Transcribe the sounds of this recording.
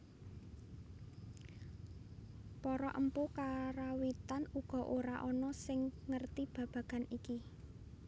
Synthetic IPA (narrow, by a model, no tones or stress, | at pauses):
pɔɾɔʔəmpukaɾawit̪anuɡ̥ɔ̤ʔoɾaʔɔnɔsɪŋŋərt̪ib̥ä̤b̥ä̤ɡ̥a̤niki